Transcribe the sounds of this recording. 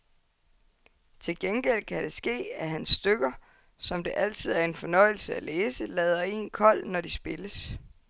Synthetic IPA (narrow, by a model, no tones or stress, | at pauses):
t͡sʰe̝lɡ̥enɡ̥el̰kʰæd̥e̝sɡ̥e̝̰ːæɦænsːd̥øɡ̥ɐ | sɒ̽md̥e̝ʔæl̰t͡sʰið̞̰ˠæɐe̝nfɒ̽nɒ̽ɪ̰l̩səæleːsəlɛːð̞ˠɐe̝̰ːnkʰɒ̽l̰nɒdisb̥e̝ləs